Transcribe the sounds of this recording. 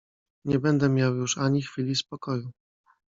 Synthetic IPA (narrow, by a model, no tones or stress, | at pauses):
ɲɛbɛnd̪ɛmʲjawjuʂaɲixfʲilʲispɔkɔju